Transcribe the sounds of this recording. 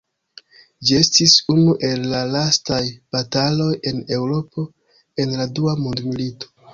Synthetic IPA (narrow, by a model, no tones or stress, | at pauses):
d͡ʒie̞stisunuʔe̞lːalastajb̥atalo̞je̞ne̞wɾo̞po̞ | e̞nladuamundmilito̥